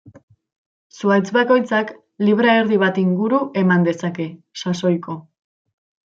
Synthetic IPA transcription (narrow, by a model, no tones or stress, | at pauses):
suajt͡sbako̞jt͡sak | liβɾaeɾðiβ̞at̪iŋɡuɾuʔe̞mand̪e̞sake̞ | saso̞jko̞